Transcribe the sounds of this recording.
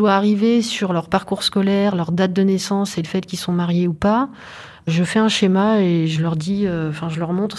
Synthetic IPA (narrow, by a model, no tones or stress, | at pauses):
waːʁivesyʁlœʁpaʁkuʁskɔlɛʁlœʁd̪at̪̚d̪ənɛsɑ̃seləfɛt̪kʲilsɔ̃maʁjeupa | ʒəfɛɛ̃ʃemaeʒəlœʁd̪iøɑ̃fɛ̃ʒəlœʁmɔ̃t̪χ